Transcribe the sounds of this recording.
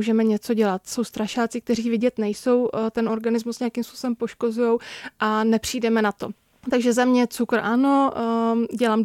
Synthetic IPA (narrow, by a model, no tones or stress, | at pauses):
uːʒɛmɛɲɛt͡so̞ɟɛlat̪so̞wst̪ɾaʃaːt͡sɪk̚t̪ɛr̝iːvɪɟɛt̪nɛjso̞wt̪ɛno̞ɾɡanɪzmusɲɛakiːmspusobɛmpo̞ʃko̞zujowʔanɛpr̝̥iːdɛmɛnat̪o̞̰ | t̪aɡʒɛzamɲɛt͡sukɾ̩ʔano̞ | ɟɛlaːm